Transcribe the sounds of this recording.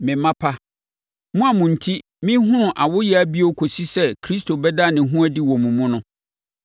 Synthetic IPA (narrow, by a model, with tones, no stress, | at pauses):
mɪ̃˨mã˦pʰa˦ | mũ˦a˨mʊ̃˨n̩˨tʰi˦ | mɪ̃˦ɦʊ̃˦nʊ̃˨ʔa˨wʊ˦jɛ˦æ˦bi˦o˦kʰo˨si˦sɛ˦kʰɾi˦stʰo˨bɛ˦da˦˨nɪ̃˨ɦũ˦æ˦di˦wɔ̃˨mũ˨mũ˦nʊ̃˦